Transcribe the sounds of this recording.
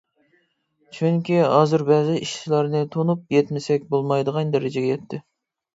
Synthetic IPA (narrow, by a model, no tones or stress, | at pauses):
t͡ʃʰyŋkʲiɦɑːzɨɾbɛːzɪiʃt͡ʃʰilˠɑɾnɨt̪ʰonup̚jɛt̪mɪsɛk̚ʲbolˠmɑjd̪əʁɑnd̪eɾɪd͡ʒɪɡʲejɛt̪ʰːɪ